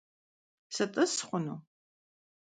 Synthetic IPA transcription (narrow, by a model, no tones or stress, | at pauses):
sɐtʼɨsχʷʊno